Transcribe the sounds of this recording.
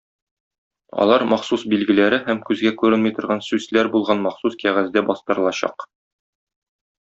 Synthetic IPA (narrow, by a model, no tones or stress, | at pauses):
ɒ̰lˠɑɾmɒχsusbilɡɘ̆læɾɘɦæmkʉzɡækʉɾɘnmɤjt̪ŏɾʁɑnsʉzlæɾbulˠʁɑnmɒχsuskæʁæzd̪æbɒst̪ɤ̆ɾɤlˠɑɕɑ̰q